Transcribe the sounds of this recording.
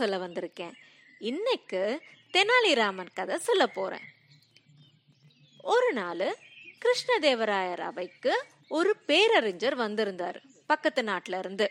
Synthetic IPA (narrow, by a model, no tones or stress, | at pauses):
sɔlːɐʋɐnd̪ɪɾɯkːẽː | ɪnːɐɪkːɯt̪ɛnaːliɾaːmɐnkɐðɐsɔlːɐpoːɾḛ̃ː | ɔɾɯnaːlɯ | kɪɾɪʂɳɐd̪eːʋɐɾaːjɐɾɐ̰ʋɐɪkːɯ | ɔɾɯpeːɾɐɾɪɲd͡ʒɐɾʋɐnd̪ɪɾɯnd̪a̰ːɾ | pɐkːɐt̪ːɯnaːʈːɪlɪɾɯnd̪ɯ